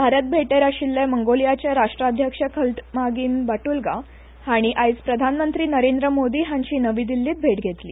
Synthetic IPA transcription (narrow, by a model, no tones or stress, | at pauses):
bʱaɾət̪̚bʱeʈeɾaɕilːaməŋɡolijat͡ɕjaɾaʂʈɾad̪ʱjəkʂəkʰəlʈmaɡiːnbaʈulɡa̰ | haɽ̃iʔajspɾəd̪ʱanmənt̪ɾiːnəɾend̪ɾəmod̪iːɦaɲɕiːnəʋiːd̪ilːiːt̪̚bʱeʈɡʱet̪lḭː